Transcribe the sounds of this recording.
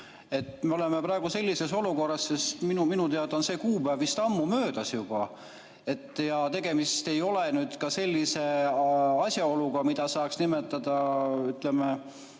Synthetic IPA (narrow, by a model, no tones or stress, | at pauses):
e̞t̪ːme̞o̞le̞mepɾɑe̞ɡuse̞lːise̞so̞luko̞rːɑsːe̞st̪minuminut̪eɑd̪onse̞ːkuːpævist̪ɑmːumø̞ːd̪̥ɑsjub̥ɑ | e̞t̪ːˑjɑt̪e̞ɡ̥e̞mist̪e̞jo̞le̞nyːd̪̥kɑse̞lʲːise̞ | ɑsʲjɑo̞luɡɑmid̪̥ɑsɑːksnimet̪ːˑɑd̪̥ɑyt̪le̞me